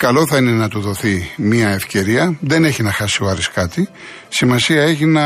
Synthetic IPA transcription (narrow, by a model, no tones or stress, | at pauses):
kɐlo̞θɐine̞nɐt̪uðo̞θimɐefce̞ɾiɐðe̞neçinɐxɐsioɐɾiskɐt̪i | simɐsiɐe̞çinɐ